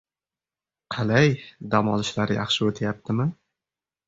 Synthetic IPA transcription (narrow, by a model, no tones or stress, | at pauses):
qʰɑlajd̪amɒlɪʃlaɾɪjɑ̰χʃɪot̪ʰajap̚t̪ʰɪmɪ